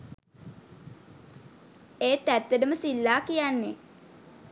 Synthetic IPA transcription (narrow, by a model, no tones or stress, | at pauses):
eːt̪æt̪ːəɖəməsilːaːkijanːe